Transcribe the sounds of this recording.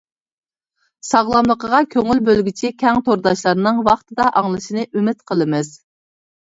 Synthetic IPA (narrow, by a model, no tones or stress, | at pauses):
sɑʁlˠɑmlˠəqəʁɑkʲʰøŋylbølɡʲit͡ʃʰikʲʰɛŋt̪ʰoɾd̪ɑʃlˠɑɾnɨŋwɑχt̪ɨd̪ɑʔɑŋlˠɨʃinɨʔymɪt̪qʰəlˠɨmɨz̥